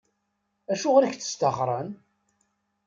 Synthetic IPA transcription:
æʃʊʁɾiçθə̥st̪əχɾˤən

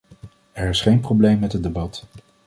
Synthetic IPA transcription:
ɛɹɪsχejnprowblejmːɛtɦət̚debɑt

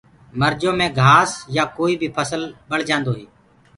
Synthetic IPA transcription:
məɾd͡ʒõːmẽːɡʱaːsjaːkoːiːbʱiːpʰəsəlɓəɽ̤d͡ʒãːnd̪oːɦiː

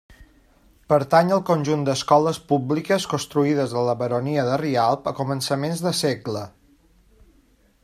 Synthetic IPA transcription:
pəɾt̪aɲəlˠkunʲʒund̪əskɔləspublikəskunst̪ɾuiðəzðələβəɾoniəðərialˠpəkumənsəmenzðəseɡlə

